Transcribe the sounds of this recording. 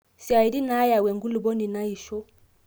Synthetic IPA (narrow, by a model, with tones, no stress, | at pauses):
si˨a˨i˨di˦na˦ja˨wɛ˨ŋɡu˦lu˨bɔ˦ni˨na˦i˨ʃɔ˦